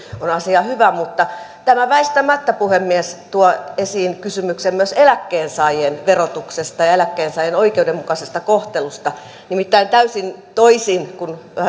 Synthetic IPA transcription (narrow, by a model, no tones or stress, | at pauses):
onɑsiɑhyʋæmut̪ːɑ | t̪æmæʋæist̪æmæt̪ːæpuhemːiest̪uoesiːnkysymyksemmyøselækːeːnsɑijenʋerot̪uksest̪ɑjɑelækːeːnsɑijenoikeudemmukɑsest̪ɑkoht̪elust̪ɑ | nimit̪ːæint̪æysint̪oisinkun